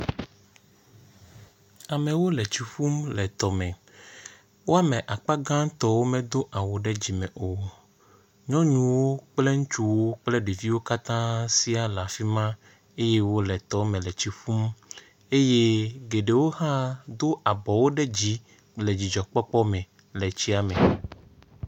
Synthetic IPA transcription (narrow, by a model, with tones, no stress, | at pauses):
a˨mɛ̃˨wo˦lɛ˨t͡ɕi˨fu˦mlɛ˨t̪ɔ˨mɛ̃˨ | wo˦a˦mɛ̃˨ʔa˨k͡pa˦ɡã˦t̪ɔ˦wo˦mɛ̃˨d̪o˦ʔa˨wo˨ɖɛ˦d͡ʑi˨mɛ̃˨ʔo˨ | ɲɔ̃˦ɲũ˨wo˦k͡plɛ˦ŋũ˦t͡ʃu˦wo˦k͡plɛ˦ɖe˨vi˦wo˦ka˦t̪ã˦si˦a˨la˨fi˦mã˦ | e˦je˦wo˦lɛ˨t̪ɔ˦mɛ̃˨lɛ˨t͡ɕi˨fu˦m | e˦je˦ɡe˨ɖe˨wo˦hã˦d̪o˦ʔa˨bɔ˨wo˦ɖɛ˦d͡ʑi˦ | lɛ˨d͡ʑi˨d͡ʒɔ˨k͡pɔ˦k͡pɔ˦mɛ̃˨ | lɛ˨t͡ɕi˦a˨mɛ̃˨